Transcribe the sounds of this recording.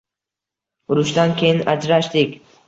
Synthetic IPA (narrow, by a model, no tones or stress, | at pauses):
ʊɾʊʃd̪ankʲʰejɪnad͡ʒɾaʃd̪ɪkʲ